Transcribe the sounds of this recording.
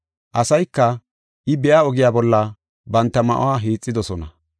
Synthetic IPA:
ʔɐsɐjkːɐ | ʔɪbɛjaːɔɡɪjaːbɔlːɐ | bɐnt̪ːɐmɐ̰ʔo̰waːɦiːt͡sʼːɪd̪ɔsɔnɐ

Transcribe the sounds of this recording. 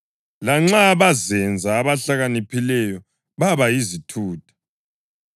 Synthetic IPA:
laŋ͡ǁaβazɛnd͡zʱaːβaɬaɣanipʰilɛjɔ | βaβajizitʰuːtʰḁ

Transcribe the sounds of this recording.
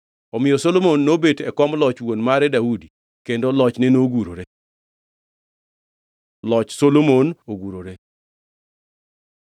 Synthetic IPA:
ɔmɪjɔsolomonːobetɛkɔmlɔt͡ʃwonmaɾɛdaudi | kendolɔt͡ʃnenoɡuɾoɾe | lɔt͡ʃsolomonoɡuɾoɾe

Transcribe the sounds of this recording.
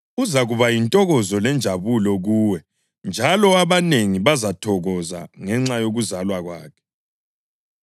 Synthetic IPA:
uzaɣuβajintʼɔɣɔzɔlɛnd͡ʒʱaβulɔɣuːwɛ | nd͡ʒʱalɔaβaneŋiβazatʰɔɣɔza̰ŋɛŋ͡ǁajoɣuzalwaɣwa̰ːkʰɛ̥

